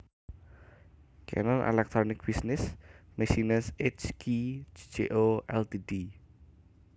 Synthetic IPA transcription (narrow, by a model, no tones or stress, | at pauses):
kʰɛ̰nɔnʔḛlɛk̚t̪ɾonɪk̚b̥isnɪsmesinəset͡ʃkʰid͡ʒd͡ʒeʔoʔɛlt̪idi